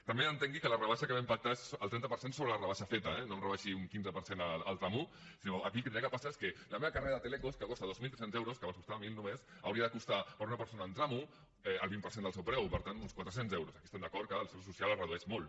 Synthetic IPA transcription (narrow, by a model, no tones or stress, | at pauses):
t̪əmbeənt̪eŋɡikələrəβaʃəkəβempak̚t̪aesəlˠt̪ɾɛnt̪əpəɾsensoβɾəlarəβ̞aʃɐfet̪əɛnoemrəβaʃiuŋkinzəpəɾsenəl̰ːlˠt̪ɾamu | sinoəkilkət̪ɾakəpasaeskələmeβakareɾɐðət̪elekoskəkɔt̪aðozmilt̪ɾɛsenzɛwɾoskəβansku̥st̪amilˠnumesə̰wɾiəðəkust̪apəɾunɐpəɾsonəːnt̪ɾamu | ɛə̰lβimpəɾsend̪əlsewpɾɛwpəɾt̪anunskwat̪ɾəsenzɛwɾosɐkiəst̪emnd̪əkɔɾt̪̚kəlˠsɛwsusialarəðuɛʃmol